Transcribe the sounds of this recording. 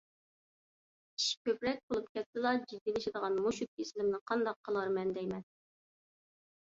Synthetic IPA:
i̥ʃkʲøpɾɛk̚ʲbolˠup̚kʲʰɛt̪sɪlˠɑd͡ʒid̪ːilɪʃɪd̪əʁɑnmuʃut̪̚ːʲislɪmnɪqʰɑnd̪ɑq̚qʰːəlˠɑɾmɛnd̪ɛjmɛn

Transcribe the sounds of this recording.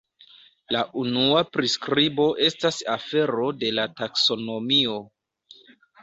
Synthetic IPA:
laʔunuapɾiskɾibo̞ʔe̞stasafe̞ɾo̞de̞latakso̞no̞mio̞

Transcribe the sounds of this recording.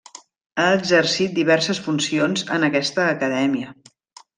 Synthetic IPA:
aːɡzərsit̪̚d̪iβɛrsəsfunsionzə̰nəkɛst̪əːkəðɛmiə

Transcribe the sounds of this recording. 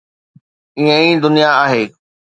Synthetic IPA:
iə̃ĩd̪ʊnijaaːɦeː

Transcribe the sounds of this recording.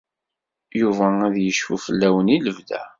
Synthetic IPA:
juvææðjəʃfufəlːæwəniləvðæ̰

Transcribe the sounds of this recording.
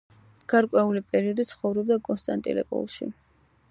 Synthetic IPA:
ɡ̥aɾkʼwɛulipʼɛɾiɔd̪it̪sʰχɔvɾɔb̚d̪akʼɔnst̪ʼant̪ʼḭlɛ̰pʼɔ̰lˠʃḭ

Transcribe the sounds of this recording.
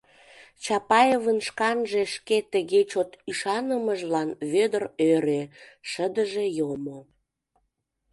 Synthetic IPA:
t͡ɕɑpɑjevənʃkɑnʒeʃket̪əɣet͡ɕot̪yʃɑnəməʒlɑnβød̪ərøɾeʃəd̪əʒejomo

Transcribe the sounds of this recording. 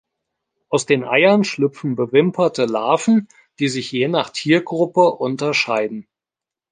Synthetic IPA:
ʔaʊsd̥eːnʔa̰ɪɐnʃlʏp͡fn̩bəvɪmpʰɐtəlaːfn̩ | d̥iːzɪçjeːnaːχtʰiːɐɡʁʊpəʔʊntɐʃaɪdn̩

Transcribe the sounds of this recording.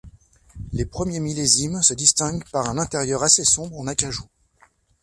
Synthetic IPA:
lepχəmjemilezimsəd̪ist̪ɛ̃ɡpaʁɛ̃nɛ̃t̪eʁjœʁasesɔ̃bʁɑ̃nakʲaʒu

